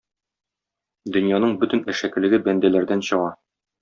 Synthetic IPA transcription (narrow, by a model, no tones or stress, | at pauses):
d̪ɵ̆njɑnɤɴbɵ̆t̪ɘ̆næʃækɘ̆lɘ̆ɡɘbænd̪ælæɾd̪ænɕɤ̆ʁɑ